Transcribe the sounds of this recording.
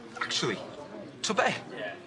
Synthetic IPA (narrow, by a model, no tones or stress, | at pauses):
ak̚t͡ʃul̩ˠi | tʰʊbɛ